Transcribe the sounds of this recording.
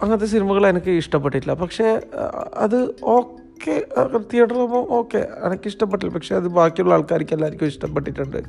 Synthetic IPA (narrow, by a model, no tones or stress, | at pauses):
ɐŋːɐt̪ːes̬inimɐɣɐɭenɐkːɨiʂʈɐpːeʈːiʈːlːɐpɐkʂe̞ | ɐ̰ðɨo̞ːkːet̪ːiɐɽɐðomoʔoːkːe̞̰ḛnɐkːɨiʂʈɐpːeʈːilːɐpɐkʂe̞ɐðɨbaːkːijuɭːɐaːɭkaːɾikʲːelːaːiɾikʲːumiʂʈɐmpːeʈːiʈːuɳɖɨ̰